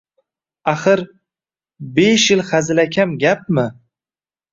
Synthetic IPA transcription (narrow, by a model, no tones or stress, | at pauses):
aχɨɾ | beʃjɪlχazɪlakʲʰamɡʲap̚mɪ